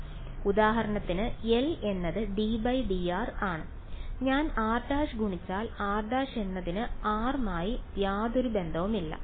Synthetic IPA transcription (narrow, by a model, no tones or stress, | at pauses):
ud̪aːɦɐɾɐɳɐt̪ːinɨe̞le̞nːɐðɨɖibɐjɖiaːraːɳɨ | ɲaːnaːrd̪aːʂɨɡʱuɳit͡ɕːaːlaːrd̪aːʂe̞nːɐðinɨaːrmaːjit̪jaːd̪oɾube̞nd̪ʱɐʋumilːɐ̰